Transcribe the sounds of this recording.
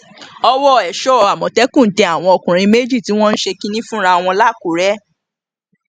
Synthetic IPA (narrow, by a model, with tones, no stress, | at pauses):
ɔ˧wɔ˦˨ɛ˨ʃɔ˦ɔ˨a˨mɔ̃˨tɛ˨˦kũ˦˨n̩˦tɛ˧˦a˦˨w̃ɔ̃˧o˨kũ˨ɾ̃ĩ˧me˦d͡ʒi˦˨ti˨˦w̃ɔ̃˦n̩˦ʃe˧kĩ˦nĩ˦fũ˦ɾa˧w̃ɔ̃˧la˦˨ku˨ɾɛ˦